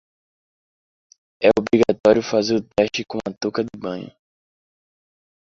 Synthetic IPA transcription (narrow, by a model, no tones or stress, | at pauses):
ɛobɾiɡat̪ɔɾiʊfazeɾʊt̪ɛʃt͡ʃɪkõɐt̪okɐd̪ɪbɐ̃ɲʊ̰